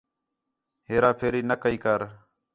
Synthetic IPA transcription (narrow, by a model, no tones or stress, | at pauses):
ɦeːɾaːpʰeːɾiːnəkəiːkəɾ